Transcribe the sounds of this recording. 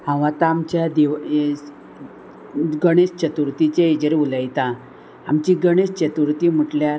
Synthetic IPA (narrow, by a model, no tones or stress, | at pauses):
hãʋat̪aːmt͡ɕjad̪eʋ | ɡəɽ̃est͡ɕət̪uɾt̪it͡ɕeed͡ʑəɾiuləjt̪ã | amt͡ɕiɡəɽ̃est͡ɕət̪uɾt̪im̤əʈljaɾ